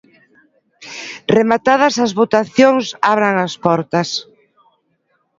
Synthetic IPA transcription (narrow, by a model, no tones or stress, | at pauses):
remat̪að̞ɐsɐzβot̪aθjoŋsaβɾaŋɐspɔɾt̪ɐs